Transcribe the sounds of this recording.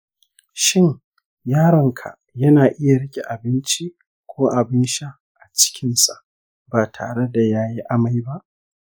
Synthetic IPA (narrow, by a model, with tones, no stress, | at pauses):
ʃɪ˦ɲ | jaː˦ɽɐ˨ŋkʰa̰˨ʔjɐ˦naː˨ʔɪ˦ja˨ɽɪ˦kʲe˨ʔa˨bɪ˦nt͡ʃi˦ | kʷoː˦ʔa˨bɪ˦nʃa˦ | ʔa˨t͡ʃɪ̥˦kʲɪ˦nsa̰˨ʔ | baː˨tʰa̰ː˨ɽe˦da˨jaː˦ji˦ʔa˦ma˦jba˦ʔ